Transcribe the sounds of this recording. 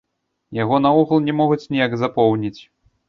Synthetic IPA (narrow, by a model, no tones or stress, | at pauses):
jaɣɔnauɣɐlˠnʲɛmɔɣut͡sʲnʲijaɡzapɔwnʲit͡sʲ